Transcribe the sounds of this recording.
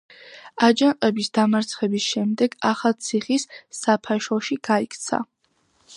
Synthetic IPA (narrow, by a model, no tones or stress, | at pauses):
ad͡ʒanqʼɛbisd̪̥amaɾt̪sʰχɛbisʃɛmd̪ɛɡaχat̪sʰiχisːapʰaʃɔʃiɡ̥aikʰt̪sʰa̰